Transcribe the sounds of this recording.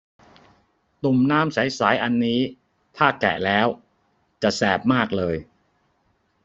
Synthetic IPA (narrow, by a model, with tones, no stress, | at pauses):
t̪u˨˩mnaː˦˥msa˨˩˦jsaː˩˦jʔa˧nːiː˦˥ | t̪ʰaː˥˩klɛ̰˨˩ʔlɛː˦˥w | t͡ɕa˨˩ʔsɛː˨˩p̚maː˥˩k̚lɤː˧j